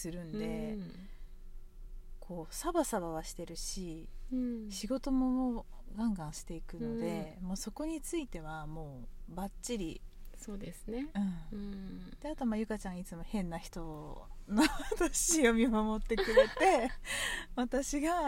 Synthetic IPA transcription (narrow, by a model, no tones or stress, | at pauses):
sɨɾɯ̟̃nd̪e̞ | kʰo̞ːsabasaβaβaɕi̥t̪e̞ɾɯ̟ɕi | ɕiɡo̞t̪o̞mo̞moː | ɡãŋɡãɰ̃ɕi̥t̪e̞ikɯ̟nod̪e̞mo̞ːso̞ko̞ɲ̟it͡sɨit̪e̞βamo̞ːbatɕiɾʲisoːd̪esɨneɯ̟̃ɴ | d̪̥e̞at̪o̞majɯ̟kat͡ɕãŋɡait͡sɨmo̞hẽ̞nːaçi̥t̪o̞noβat̪aɕijo̞mʲimamo̞t̪ːe̞kɯ̟ɾe̞t̪e̞ | βat̪aɕiɡa